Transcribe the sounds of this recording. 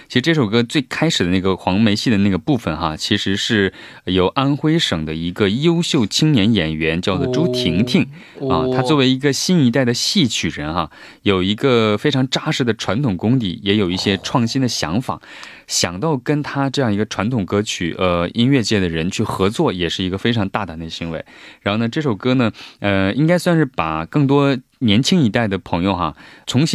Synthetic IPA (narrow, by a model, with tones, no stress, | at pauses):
t͡ɕʰi˧˥ʂɻ̩˧˥ʈ͡ʂɤ˥˩ʂo˨˩ʊkɤ˧˥t͡swe˥˩ɪkʰa˥ɪʂɻ̩˨˩d̪ə˦na˥˩ɡə˩xwɑ˧˥ŋme˧˥ɪɕi˥˩d̪ə˩na˥˩ɡə˩pu˥˩fə˩nxa˧t͡ɕʰi˧˥ʂɻ̩˧˥ʂɻ̩˥˩ | jo˨˩ʊʔa˥nxwe˥ɪʂɤ˨˩ŋd̪ə̰˦i˧˥ɡə˧jo˥ʊɕjo˥˩ʊt͡ɕʰi˥ŋnjɛ˧˥njɛ˨˩nɥɛ˧˥nt͡ɕjɑ˥˧ʊt͡swɔ˨˩ʈ͡ʂu˥t̪ʰi˧˥ŋt̪ʰi˥˩ŋ | ə̰˥˧t̪ʰa˥t͡swɔ˥˩we˧˥ɪi˧˥ɡə˧ɕi˥ni˧˥t̪̬a˥˩ɪd̪ə˩ɕi˥˩t͡ɕʰy˨˩ɻə˧˥nxa˧ | jo˨˩ʊi˧˥ɡə˧fe˥ɪʈ͡ʂʰɑ˧˥ŋʈ͡ʂa˥ʂɻ̩˥˩d̪ə˩ʈ͡ʂʰwa˧˥nt̪ʰʊ˨˩ŋkʊ˥ŋt̪ḭ˨˩jɛ˧˥jo˨˩ʊi˥˩ɕjɛ˥ʈ͡ʂʰwɑ˥˩ŋɕi˥nd̪ə˨ɕjɑ̰˧˥ŋfa̰˨˩˦ | ɕjɑ˨˩ŋt̪ɑ˥˩ʊkə˥nt̪ʰa˥ʈ͡ʂɤ˥˧jɑ˥˩ŋi˧˥ɡə˧ʈ͡ʂʰwa˧˥nt̪ʰʊ˨˩ŋkɤ˥t͡ɕʰy̰˨˩ʔə˧i˥nɥɛ˥˧t͡ɕjɛ˥˩d̪ə˩ɻə˧˥nt͡ɕʰy˥˩xɤ˧˥t͡swɔ˥˩jɛ˨˩ʂɻ̩˥˩i˧˥ɡə˧fe˥ɪʈ͡ʂʰɑ˧˥ŋt̪a˥˩t̪a˨˩nd̪ə˩ɕi˧˥nwḛ˧˥ɪɻa˧˥nxo˥˧ʊnə˧ʈ͡ʂɤ˥˩ʂo˨˩ʊkɤ˥nə˨ə˧i˥ŋka˥ɪswa˥˧nʂɻ̩˥˩pa˨˩kɤ˥˩ŋt̪̬wɔ˥ | njɛ˧˥nt͡ɕʰi˥ŋi˧˥t̪a˥˩ɪd̪ə˩pʰɤ˧˥ŋjo˧ʊxa̰˩t͡sʰʊ˧˥ŋɕi˥